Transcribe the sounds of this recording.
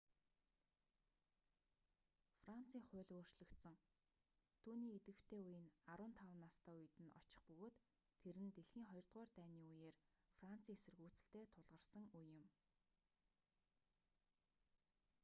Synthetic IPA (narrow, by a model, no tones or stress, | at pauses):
fran̥t͡siːŋχʊ̟ːɮoːr̥t͡ɕɮɵ̆kt̪sə̆ŋ | t̪ʰuːniːet̪ɡɘ̆w̥t̪ʰeːujɪ̆naɾʊːnt̪ʰaw̆nːast̪ʰæːuj̆t̪ɘ̆nɔ̰t͡ɕɪ̥̆χpɵɣoːt̪ʰː | eɾɘ̆nt̪eɮxiːŋχɔjɞ̆rt̪ʁʊːrt̪æːniːujeːrfran̥t͡sʰiːŋesɘ̆rɣuːt͡sɘ̆ɬt̪eːt̪ʰʊɮʁə̆rsə̆ŋujːɪ̆m